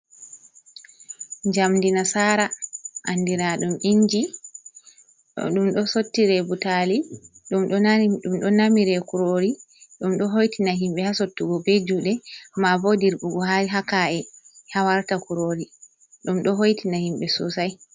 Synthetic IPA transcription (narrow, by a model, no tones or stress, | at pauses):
ɲd͡ʒamdinasaːɾaʔanːdiɾaɗumʔiɲd͡ʒi | ɗumɗɔsotːiɾɛbutaliɗumɗɔɗumɗɔnamiɾɛkuɾoɾiɗumɗɔɦojtinaɦimɓɛhasotːuɡɔbed͡ʒuɗɛmavodiɾɓuɡɔhaɦakaɛhawaɾtakuɾoɾi | ɗumɗɔɦojtinahimɓɛsṵsaj